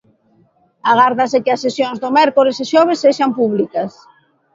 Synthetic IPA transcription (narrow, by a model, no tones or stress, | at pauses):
aɣ̞aɾðɐsɪkɪɐsːesjoŋzðomɛɾkoɾɪsɪʃɔβ̞esːeʃampuβlikɐs